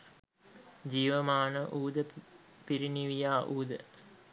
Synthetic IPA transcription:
d͡ʒiːʋəmaːnəʔuːd̪əpiɾiniʋijaːʔuːd̪ə

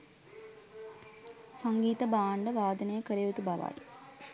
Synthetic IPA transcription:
saŋɡiːt̪əbaːɳɖəʋaːd̪ənejəkəɾejut̪ubaʋa̰j

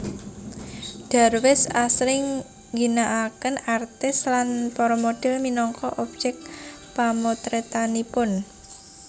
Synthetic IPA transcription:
d̥a̤rwɪsasɾɪŋ | ɡinaʔakənart̪ɪslanpɔɾɔmod̥ɛ̤lminɔŋkɔʔɔb̥̚d͡ʒɛk̚ | pamot̪ɾet̪anipʊn

